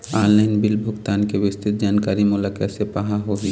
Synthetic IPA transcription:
aɾlaɪnbilbʱʊɡt̪ankebɪst̪it̪̚d͡ʒaːnkaɾimulakasepaɦaɦoɦi

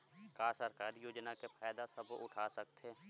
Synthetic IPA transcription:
kaːsəɾkaːɾijoːd͡ʒnakefʰaːjd̪asəbʊʈʰaːsək̚t̪ʰeː

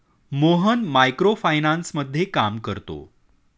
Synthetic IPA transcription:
moɦənmajkɾofajnansməd̪ʱːjekamkəɾt̪o̰

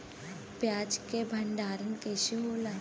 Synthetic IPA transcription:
pjaːd͡ʒkebʱəɳɖaːɾənkeːʃiɦoːlaː

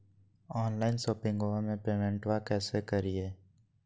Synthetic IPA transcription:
ɔːnlaːɪnsoːpɪ̃ŋɡoamẽpeːmɛ̃ɳʈwakɛːsekəɾieː

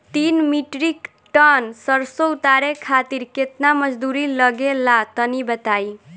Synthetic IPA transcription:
t̪inmiʈɾik | ʈʌnsəɾsout̪aɾekʰat̪iɾket̪naməd͡ʒd̪uɾilʌɡelat̪ənibət̪aj

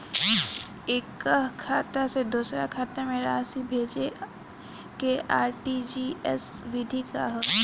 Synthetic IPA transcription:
ekːəɦkʰaːt̪ased̪uːsɾa̰kʰaːt̪amẽɾaːsibʱeːd͡ʒe | keʔaːɾʈid͡ʒiɛsʋɪd̪ʱika̰ɦo

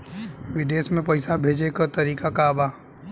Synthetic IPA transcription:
ʋɪd̪eːsmẽpɐɪsabʱeːd͡ʒekəɾt̪ɐɾiːkakaːbaː

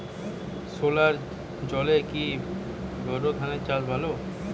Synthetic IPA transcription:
solaɾ | d͡ʑɔleki | bɔɾod̪ʰʱanet͡ɕad͡ʑbʱalo

